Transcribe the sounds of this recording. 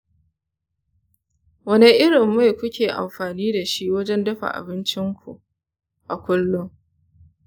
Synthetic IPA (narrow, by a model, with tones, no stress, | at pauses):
wɐ˦ne˦ʔɪ˦ɽɪ˨mːa˦jkʷʊ˦kʲʰeː˨ʔa̰˨mɸaː˨niː˦da˨ʃi˦wɐ˦d͡ʒɛ˦ndɐ˦ɸa̰˨ʔa̰˨bɪ˦nt͡ʃɪ˦ŋkʷṵ˨ʔ | ʔa˨kʷʊ˦lːʊ˦ŋ